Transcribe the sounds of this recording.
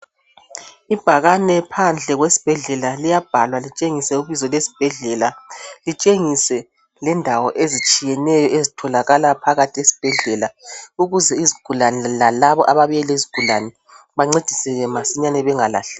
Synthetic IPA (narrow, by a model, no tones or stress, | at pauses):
ib̥ʱaɣanɛpʰand͡ɮʱɛɣwesi̥b̥ʱɛɮɛlalijab̥ʱalwalit͡ʃʼeŋisɛuβizɔlwesi̥b̥ʱɛɮɛlalit͡ʃʼeŋisɛ | lɛndʱawɔʔezit͡ʃʼijɛnɛjɔezitʰɔlaɣalapʰaɣatʰʼiesi̥b̥ʱɛɮɛlauɣuzɛiziɡ̥ʱulanɛlalaβɔʔaβaβijɛleziɡ̥ʱulanɛ | βaŋ͡ǀed̥ʱi̥sɛɣɛmasiɲanɛβɛŋala̰ɬɛ̥